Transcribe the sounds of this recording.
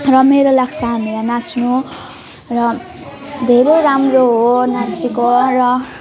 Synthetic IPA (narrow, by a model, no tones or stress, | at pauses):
rʌmeɾolakʰt͡saneɾanat͡snu | rʌ | d̪ʱeɾʌjɾamroɦonat͡sʰikorʌ